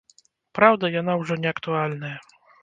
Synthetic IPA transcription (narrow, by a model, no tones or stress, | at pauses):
pɾawd̪ajanawʐɔɲʲɛakt̪ualʲnɛ